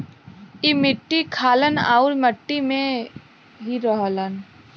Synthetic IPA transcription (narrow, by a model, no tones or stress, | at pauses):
imɪʈːikʰaːləna̰ːʊlməʈːimẽ | ɦiɾəɦlən